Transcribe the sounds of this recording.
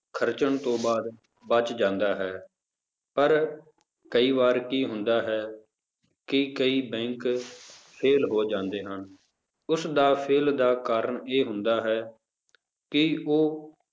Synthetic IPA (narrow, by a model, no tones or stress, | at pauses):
kʰəɾt͡ʃəɳt̪õːbaːd̪ | bət͡ʃd͡ʒãːnd̪aːɦɛː | pəɾ | kəiːʋaːɾkiːɦʊnd̪aːɦɛː | kɪkəiːbɛ̃ːŋk | pʰeːlɦoːd͡ʒãːnd̪eːɦən | ʊsd̪aːpʰeːld̪aːkaːɾəɳeːɦʊnd̪aːɦɛː | kɪoː